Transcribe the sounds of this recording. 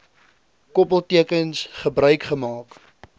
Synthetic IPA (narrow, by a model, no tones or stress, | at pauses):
kɔpəlˠtiəkənsχəbrœɥkχəmɑːk